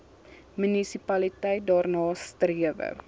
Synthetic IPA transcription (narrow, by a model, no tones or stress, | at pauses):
mynisipɐlitɛjt̚dɑːrnɑːstriəvə̰